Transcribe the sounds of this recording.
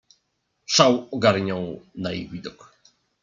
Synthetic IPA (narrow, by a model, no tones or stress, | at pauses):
ʂawɔɡaɾɲɔw̃najḭvʲid̪ɔk